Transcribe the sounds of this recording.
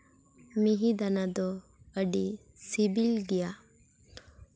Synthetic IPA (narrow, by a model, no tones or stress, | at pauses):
miɦid̪anad̪ɔ | əɖi | sibilɡɛja